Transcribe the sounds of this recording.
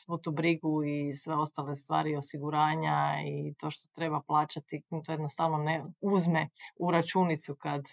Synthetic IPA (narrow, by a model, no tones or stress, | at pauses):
sʋut̪ubɾiɡuisʋeo̞st̪alest̪ʋa̰ːɾio̞siɡuɾaːɲait̪o̞ʃt̪o̥t̪ɾe̞baplˠaːt͡ʃat̪it̪ojed̪nost̪aʋnoneuzmeuɾat͡ʃunit̪sukad̪